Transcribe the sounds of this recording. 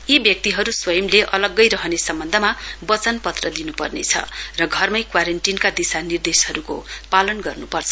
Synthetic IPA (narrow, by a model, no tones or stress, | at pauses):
ibjʌk̚t̪iɦʌɾuswʌjʌmleʔʌlʌɡːʌjɾʌɦʌnesʌmbʌnd̪ʱʌmabʌt͡sʌnpʌt̪rʌd̪inupʌ̰rnḛt͡sʰʌ̰rʌɡʱʌrmʌjkwaɾenʈinkad̪isanird̪eshʌɾuko̰palʌnɡʌrnupʌrt͡sʰʌ̥